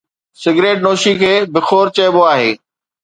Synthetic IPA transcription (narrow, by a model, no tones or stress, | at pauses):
sɪɡɾeːʈ̚noːʃikʰeːbɪxoːɾt͡ɕɐɪboaːɦeː